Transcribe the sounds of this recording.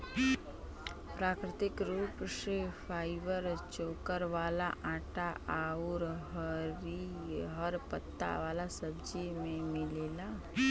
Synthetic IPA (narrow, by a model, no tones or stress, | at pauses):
pɾaːkɾɪt̪ɪkɾuːpsefʰaːɪʋəɾt͡ʃoːkəɾʋaːlaʔãːʈaaːʊɾɦəɾiɦəɾpət̪ːa̰ʋaːlasəbd͡ʒimẽmɪleːlaː